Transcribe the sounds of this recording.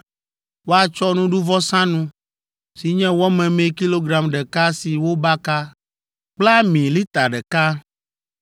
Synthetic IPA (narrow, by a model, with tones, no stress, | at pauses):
wo˦a˨t͡ʃɔ˦nũ˦ɖu˦vɔ˦sã˦nũ˦ | si˨ɲɛ̃˦wɔ˦mɛ̃˨mɛ̃˨ki˦lo˦ɡɾa˨mɖɛ˨ka˦si˨wo˦ba˦ka˦ | k͡pla˦mĩ˨li˦t̪a˨ɖɛ˨ka˦